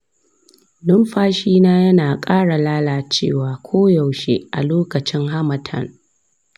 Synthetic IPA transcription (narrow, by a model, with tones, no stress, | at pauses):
dʊ˦mɸaː˦ʃiː˦naː˦jɐ˦naː˨kʼaː˦ɽa˨laː˦laː˨t͡ʃeː˦˨waː˨kʷʰoː˦ja˨wʃe˦ʔa̰˨loː˦kɐ˨t͡ʃɪ˦ŋɦa˦mɐ˨tʰɐ̰˦˨n